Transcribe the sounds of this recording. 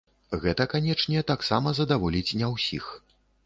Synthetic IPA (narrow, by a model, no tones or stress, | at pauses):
ɣɛt̪ɐkanʲɛt͡ʂnʲɛɛt̪aksamɐzɐd̪avɔlʲit͡sʲnʲɛwsʲḭx